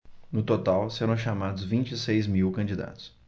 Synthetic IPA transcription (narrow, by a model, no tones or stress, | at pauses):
nʊt̪ot̪awseɾɐ̃w̃ʃamad̪ʊzvĩnt͡ʃisejzmiwkɐ̃d͡ʒid̪a̰t̪ʊ̥s